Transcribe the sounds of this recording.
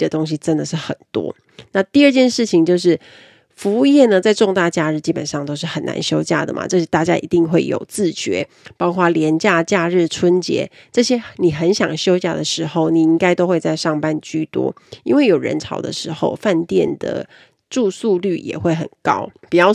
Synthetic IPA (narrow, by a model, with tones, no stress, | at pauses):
ə˨t̪o˥ŋɕ̬i˦ʈ͡ʂə˦˥nd̪ə˨ʂɻ̩˥˩xə˨˩nt̪wɔ̰˥ | na˥˧t̪i˥˧ə˥˧t͡ɕjɛ˥˧nʂɻ̩˥˩t͡ɕʰi˨˩ŋt͡ɕjo˥˧ʊʂ̬ɻ̩˥˩ | fu˧˥u˥˧jɛ˥˩nə˨t͡sa˥˧ɪʈ͡ʂʊ˥˧ŋt̪a˥˩t͡ɕja˥˧ɻ̩˥˩t͡ɕi˥pə˨˩nʂɑ˥˧ŋt̪o˥ʊʂ̬ɻ̩˥˩xə˨˩nːa̰˧˥nɕjo˥ʊt͡ɕja̰˥˩d̪ə̰˩m̰˩ʈ͡ʂɤ˥˧˩t̪a˥˩t͡ɕja̰˦˥ʔḭ˧˥t̪i˥˧ŋxwe˥˩ɪjo̰˨˩ʊt͡sɹ̩˥˩t͡ɕɥɛ̰˧˥˦ | pɑ˥ʊkʰwa˥˩ljɛ˧˦nt͡ɕja˥˧t͡ɕja˥˧ɻɻ̩˥˩ʈ͡ʂʰwə˥nt͡ɕjɛ̰˧˥˦ | ʈ͡ʂɤ˥˧ɕjɛ˥ni˨˩xə˧˦˥nɕjɑ̰˨˩ŋɕjo˥ʊt͡ɕja̰˥˩d̪ə˩ʂɻ̩˧˥xo˥˩ʊni˨˩i˦˥ŋka˥ɪt̪o˥ʊxwe˥˧ɪt͡sa˥˧ɪʂɑ˥˩ŋpa˥nt͡ɕy˥t̪wɔ̰˥i˥nwe˥˩ɪjo˨˩ʊɻə̰˧˥nt͡sʰɑ̰˨˩ʊd̪ə̰˨ʂɻ̩˧˥xo̰˥˧ʊfa˥˧nt̪jɛ˥˨˩nd̪ə̰˩ | ʈ͡ʂu˥˧su˥˧ly˥˩jɛ̰˨˩xwe˥˩ɪxə̰˨˩nkɑ̰˥ʊpi˨˩t͡ɕjɑ˥˩ʊ